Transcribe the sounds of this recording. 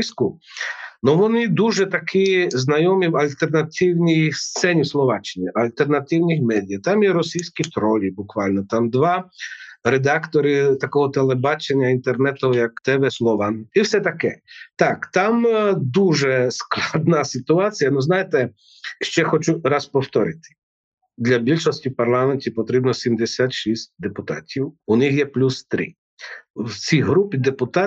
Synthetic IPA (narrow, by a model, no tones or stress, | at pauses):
sʲkʊ | nɔʋɔnɪd̪uʒɛt̪ɐkʰɪznɐjɔmiwɐlʲt̪ernɐt̪ɪwnʲijst̪sɛnʲiwslˠɔʋat͡ʃɪnʲiʔɐlʲt̪ernɐt̪ɪwnʲixmɛd̪ʲijɐt̪amjɛɾɔsʲijsʲkit̪ɾɔlʲibʊkʋɑlʲnɔt̪amd̪ʋɑ | ɾed̪akt̪ɔɾɪt̪ɐkɔɦɔt̪elˠɛbɑt͡ʃenʲːɐint̪ernɛt̪ɔɦɔjɐkt̪ɛʋɛslˠɔʋaiwsɛt̪ɐkɛt̪ɑkt̪ɑmd̪uʒɛsklˠɑd̪nɑsɪt̪ʊɑt͡sʲijɐnuznɑjet̪ɛ | ʃt͡ʃɛxɔt͡ʃuɾɑspɔwt̪ɔɾɪt̪ɪ̥ | d̪lʲɐbʲilʲʃɔsʲtʲiwpɐrlˠɑmenʲtʲipɔt̪ɾibnɔsʲimd̪esʲat̪ʃisʲt̚ʲd̪epʊt̪ɑ̰tʲiwʊnɪxjɛplʲust̪ɾɪ̰ | wt͡sʲiɦɾupʲid̪epʊt̪a